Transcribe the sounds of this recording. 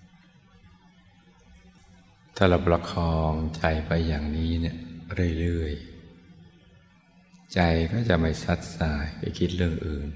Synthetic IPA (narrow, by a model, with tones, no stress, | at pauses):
t̪ʰa˧˩la˨˩pla˧kʰɔː˧ŋt͡ɕa˧jpa˧jːaː˨˩ŋniː˦˥ni˥˩əɾɯ˥˩əjlɯ˥˩əj | t͡ɕa˧jkɔː˥˩t͡ɕa˨˩ʔma˥˩jsa˦˥t̪̚saː˨˩˦jpa˧˩jkʰi˦˥t̪̚ɾɯ˥˩əŋʔɯː˨˩n